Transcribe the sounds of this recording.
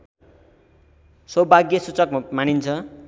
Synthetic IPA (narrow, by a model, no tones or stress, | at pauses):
sʌbʱaɡjʌsut͡sʌkmañint͡sʰʌ